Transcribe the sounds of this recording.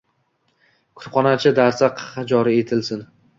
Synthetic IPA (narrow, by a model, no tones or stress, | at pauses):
kʰʊ̥ɾχɒnat͡ʃʰɪd̪aɾsaqʰɑ̥χɑd͡ʒɒɾie̞t̪ʰɪlsɪn